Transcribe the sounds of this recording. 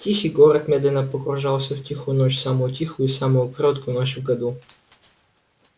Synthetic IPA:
t̪ʲixiɡɔɾət̪mɛd̪ɛnapokɾʊʒalˠsɛft̪ʲixonɔt͡ʃʲsamot̪ʲixʊisamokɾɔt̪konɔt͡ʃvɡɐd̪u

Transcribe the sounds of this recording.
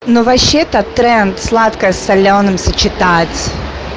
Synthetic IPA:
nuvɐɕːet̪ət̪ːɾɛnt̪slˠat̪kəəsɐlʲonɨmsʲət͡ɕɪt̪atʲ

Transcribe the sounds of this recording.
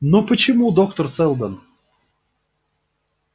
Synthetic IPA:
nopət͡ɕɪmud̪okt̪ərsɛlˠd̪ən

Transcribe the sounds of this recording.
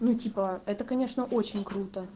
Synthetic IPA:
nutʲipəɛt̪əkɐnʲe̞ʂnəʔo̞t͡ɕɪnʲkɾut̪ə

